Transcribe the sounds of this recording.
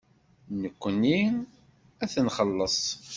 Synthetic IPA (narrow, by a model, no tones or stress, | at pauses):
nəkʷːənːi | æθənχəlːəsˤ